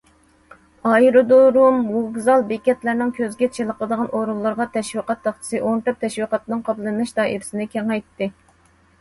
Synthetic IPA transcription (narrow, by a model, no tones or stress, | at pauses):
ɑjiɾud̪oɾumwuɡzɑlˠbekʲɛt̪læɾnɪŋkʲʰøzɡʲɛt͡ʃʰilˠəqʰəlˠəd̪əʁɑnʔoɾulˠːɑɾʁɑt̪ʰɛʃwiqɑt̪ːɑχt͡ʃʰə̥sɨʔont̪ɨp̚t̪ʰɛʃwiqɑt̪nɨŋqʰɑplˠɨnmɨʃt̪ɑːʔḭɾɪsɪnɪkʲʰɛŋɛjt̪ːɪ